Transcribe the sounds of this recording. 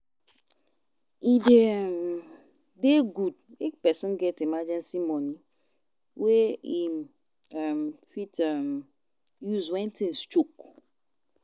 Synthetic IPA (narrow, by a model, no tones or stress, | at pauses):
idem | deɡudepɛsɔ̃nɡɛtimad͡ʒɛ̃nsimɔni | wei | amfitam | juzwɛ̃ntĩnst͡ʃuk